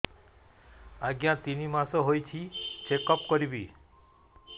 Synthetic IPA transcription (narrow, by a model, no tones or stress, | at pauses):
aɡjãt̪inimãsɔɦojt͡ʃʰit͡ʃekɔpkɔɾibi